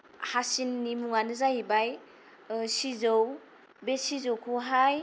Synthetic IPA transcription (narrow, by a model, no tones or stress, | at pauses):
hasinːimuŋanɯzaɦibaj | sizow | besizowkʰuɦaj